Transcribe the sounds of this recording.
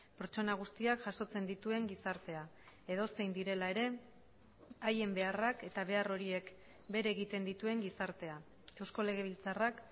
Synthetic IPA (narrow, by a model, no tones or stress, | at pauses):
peɾt͡ʃo̞naɣ̞ust̪iakʝaso̞t͡se̞nd̪it̪ue̞ŋɡisaɾt̪e̞a | e̞ð̞o̞se̞jnd̪iɾe̞lae̞ɾe̞ | aje̞mbe̞arake̞t̪aβe̞aro̞ɾie̞k | be̞ɾeɣit̪e̞nd̪it̪ue̞ŋɡisaɾt̪e̞a | e̞wsko̞le̞ɣ̞e̞β̞ilt͡sarak